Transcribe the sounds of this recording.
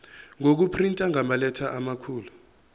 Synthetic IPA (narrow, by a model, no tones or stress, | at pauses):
ŋok̬upʰrintʼaŋamalɛtʰaʔamakʰuːlu